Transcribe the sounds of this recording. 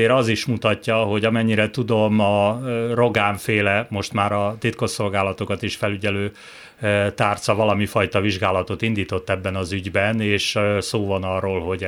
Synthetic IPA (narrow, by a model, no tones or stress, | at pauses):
eːɾɒziʃmut̪ɒcːɒɦo̞ɟɒmɛɲːiɾɛt̪ud̪o̞mɒro̞ɡaːɱfeːlɛmo̞ʃt̪maːɾɒt̪it̪̚ko̞ʃo̞lɡaːlɒt̪o̞kɒt̪iʃfɛlyɟɛløː | t̪aːrt̪sɒvɒlɒmifɒjt̪ɒviʒɡaːlɒt̪o̞t̪ind̪iːt̪o̞t̪ːɛbːɛnɒzyɟbɛneːʃsoːvɒnɒrːoːlɦo̞ɟ